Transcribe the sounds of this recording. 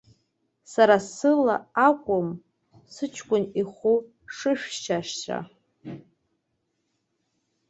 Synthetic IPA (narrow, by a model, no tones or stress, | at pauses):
saɾasɨlaakʷʼʊm | sɨt͡ʃʷʰkʷʼʊniχu | ʂɨʃᶣt͡ʃʰaʃt͡ʃʰa̰